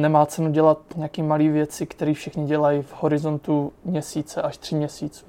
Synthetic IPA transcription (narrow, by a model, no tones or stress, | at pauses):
nɛmaːt͡sɛnuɟɛlat̪ɲɛjakiːmaliːvjɛt͡sɪkt̪ɛɾiːfʃɪxɲɪɟɛlajɪvhoɾɪzo̞nt̪umɲɛsiːt͡sɛʔaʃt̪r̝̥ɪmɲɛsiːt͡su̥